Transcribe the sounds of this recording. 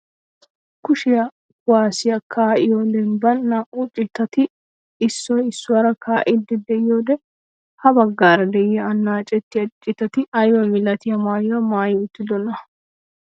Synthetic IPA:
kʊʃɪjɐ | kʊwaːsɪjɐkʰaːʔɪjoːd̪ɛnbɐnːɐʔut͡ʃʼːɪt̪ːɐt̪ɪː | sːɔɪsːʊwɐɾɐkaːʔɪd̪ːɪd̪ɛɪjoːd̪ɛ | hɐbɐɡːaːɾɐd̪ɛʔɪjɐɐnːaːt͡ʃʼɛt̪ːɪɐt͡ʃʼːɪt̪ɐt̪ɪɐjwɐmɪlɐt̪ɪjɐmaːjwɐmaːjʊt̪ːɪd̪ɔnɐ

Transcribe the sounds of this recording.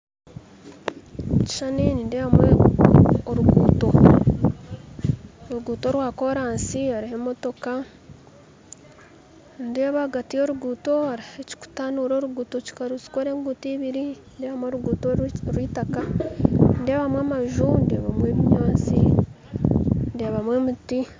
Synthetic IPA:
ci̥ʃaninindeβamwe | oɾuɡṵːto̞ | oɾuɡuːto̞ɾwaːko̞ɾaːnsiaɾihe̞mo̞to̞ka | ndeːβaɡatijo̞ɾuɡuːto̞aɾiheci̥ku̥tanuɾo̞ːɾuɡuːto̞ci̥kaɾuzi̥koɾe̞ːŋɡutiːβiɾindeːβamwoɾuɡuːtoɾwiːtaka | nde̞ːβamwamaʒundeːβamwe̞ːβiɲoːnsi | ndeːβamwe̞ːmuti

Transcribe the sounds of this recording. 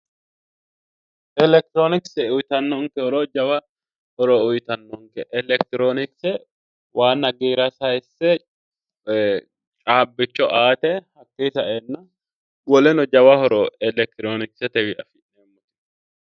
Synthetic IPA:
ʔɛlɛk̚t̪ɾoːnɪksɛʊjt̪ɐnːɔŋkɛhɔɾɔd͡ʒɐwɐ | hɔɾɔʊjt̪ɐnːɔŋkɛʔɛlɛkt̪ɪɾoːnɪksɛ | waːnːɐɡiːɾɐsɐjsːɛ | t͡ʃʼaːbːɪt͡ʃːɔʔaːt̪ɛhɐkːeːsɐʔeːnːɐ | wɔlɛnɔd͡ʒɐwɐhɔɾɔɛlɛk̚t̪ɪɾoːnɪksɛt̪ɛwɪʔɐfɪeːmːɔt̪

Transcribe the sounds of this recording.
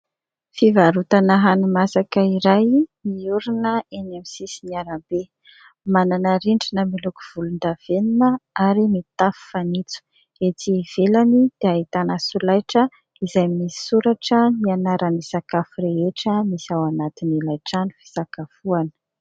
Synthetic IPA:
fivaɾut̪anaɦanimasakəiɾajmiuɾinəenamisisiniaɾambe | mananəɾiɳɖ͡ʐinəmilukuv̥ulund̪av̥eninəaɾimit̪afu̥fanit͡su̥ | et͡siv̥elanid̪̥eaɦit̪anəsulajʈ͡ʂə | izajmisi̥suɾaʈ͡ʂənianaɾanisakafuɾeeʈ͡ʂəmisawanat̪inilajʈ͡ʂani̥fi̥sakafuanə̥

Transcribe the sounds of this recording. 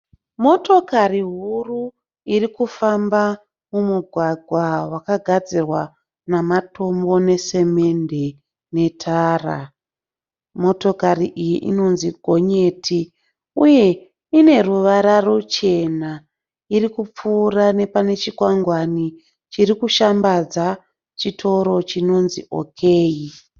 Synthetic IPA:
mo̞to̞kariɦuru | irikufamba | mumuɡʱwaɡʱwawakaɡʱad͡zirwa | namato̞mbo̞ne̞se̞me̞nde̞ | ne̞tʰaːra̰ | mo̞to̞kariʔijiʔḭno̞nziɡʱo̞ɲe̞tʰi | uje̞ | ine̞ruʋaɾarot͡ʃe̞na | irikup͡fuːrane̞pane̞t͡ʃikwaŋɡwani | t͡ʃiɾikuʃambad͡za | t͡ʃitʰo̞ɾo̞t͡ʃino̞nziʔo̞̰kʰe̞ːi

